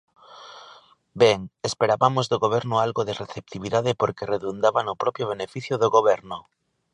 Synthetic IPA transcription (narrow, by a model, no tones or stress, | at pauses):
bɛŋespeɾaβamozðoɣoβ̞ɛɾnʊalɣoðereθep̚t̪iβiðaðepoɾkereðund̪aβanʊpɾɔpjoβ̞enefiθjʊðoɣoβɛɾnʊ